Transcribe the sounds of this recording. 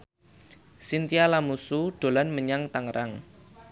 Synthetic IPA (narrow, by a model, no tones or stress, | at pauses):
sint̪ialamusuɖ̥o̤lanməɲaŋt̪aŋɾaŋ